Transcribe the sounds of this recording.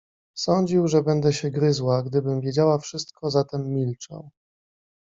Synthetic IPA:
sɔɲd͡ʑiwʐɛbɛnd̪ɛɕɛɡɾɘzwaɡd̪ɘbɘmvʲjed͡ʑawafʂɘst̪̚kʰɔzat̪ɛmːʲilt͡ʂɛ̰w

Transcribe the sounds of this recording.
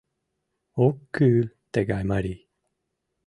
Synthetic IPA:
okːʉːlt̪eɡajmaɾi

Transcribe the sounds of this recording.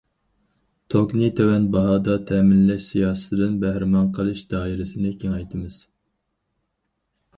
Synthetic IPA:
t̪ʰoknit̪ʰewɛnbɑɦɑːd̪ɑt̪ʰɛːmɪnlɛʃsijɑːsɨ̥t̪ʰɪd̪ɪnbæhɾɪmɑnqʰəlˠɨʃd̪ɑːiɾɪsɪnɪkʲʰeŋɑjt̪ʰɨmɨz̥

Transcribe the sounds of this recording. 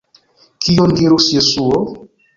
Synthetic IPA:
kijoŋɡeɾosjesuo

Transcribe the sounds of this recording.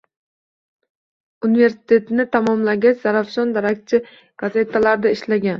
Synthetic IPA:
unɪve̞ɾsɪ̥t̪ʰe̞t̪nɪt̪ʰamɒmlaɡʲat͡ʃz̥aɾafʃɒnd̪aɾak̚t͡ʃʰɪ | ɡ̥aze̞t̪ʰːalaɾd̪aɪʃlaɡʲan

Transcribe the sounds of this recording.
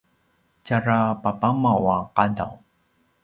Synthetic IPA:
caɾapapamawaqada̰w

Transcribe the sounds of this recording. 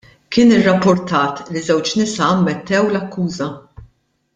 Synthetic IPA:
kɪːnɪrːɐpːʊɾt̪ɐːt̪lizɛwt͡ʃnɪsɐɐːmːɛt̪ːɛwlɐkːuːzɐ

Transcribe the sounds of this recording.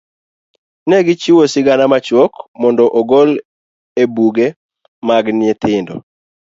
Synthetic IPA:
nɛɡɪt͡ʃiwosɪɡanamat͡ʃwɔkmɔndɔʔɔɡɔl | ebuɡe | maɡnɪɛt̪ʰɪndɔ̰

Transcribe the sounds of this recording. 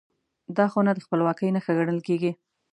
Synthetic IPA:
d̪ɑxonad̪əxpəlwɑkəjnaxəɣaɽəlkeɡi

